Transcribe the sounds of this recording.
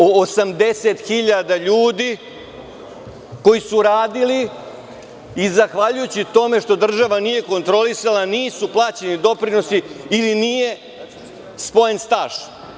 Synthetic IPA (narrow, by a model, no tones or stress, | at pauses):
oosamd̪e̞set̪xiʎad̪aʎuːd̪i | ko̞jisuɾaːd̪ili | izaxʋaʎujut͡ɕit̪o̞me̞ʂt̪o̞d̪r̩ʒaʋanije̞ko̞nt̪ɾo̞lisalaniːsuplˠaːt͡ɕe̞nid̪o̞pɾino̞siːlinije̞ | spo̞je̞nst̪aːʃ